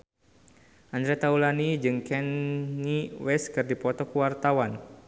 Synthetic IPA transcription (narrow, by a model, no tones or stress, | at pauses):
ʔand̪ɾɛt̪aulanid͡ʒɨŋkɛnːiwɛskɨrdipɔt̪ɔkuwart̪awan